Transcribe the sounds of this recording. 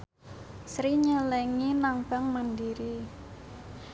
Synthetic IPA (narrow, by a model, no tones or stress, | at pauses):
sɾiɲəlɛŋinaŋb̥a̤ŋmandiɾi